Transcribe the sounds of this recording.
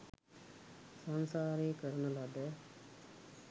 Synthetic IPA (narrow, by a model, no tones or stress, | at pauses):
sansaːɾiːkəɾnɐlad̪e